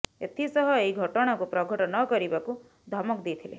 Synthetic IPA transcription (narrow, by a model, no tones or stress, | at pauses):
et̪ʰisɔɦɔeiɡʱɔʈɔɽ̃akupɾɔɡʱɔʈɔnɔkɔɾibaku | d̪ʱɔmɔkd̪ejt̪ʰilḛ